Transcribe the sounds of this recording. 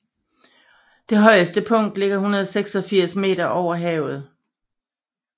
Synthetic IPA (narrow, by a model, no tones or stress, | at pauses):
d̥e̝ɦɒ̽ɪəsd̥əpʰɔ̽ŋ̰d̥le̝ɡ̥ɐɦunɐðˠɒseɡ̥sɒ̽fiɐ̰sme̝̰ːɾɐʔɒʊ̰ɐɦɛːʊð̩ˠ